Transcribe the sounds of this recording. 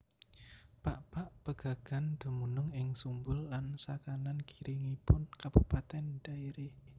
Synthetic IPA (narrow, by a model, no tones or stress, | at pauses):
paʔpaʔb̥əɡ̥a̤ɡ̥a̤nd̪̥ṳmunʊŋɪŋsumbʊlːansakanankiɾʔiŋipʊnkab̥upat̪ɛnd̥aiɾe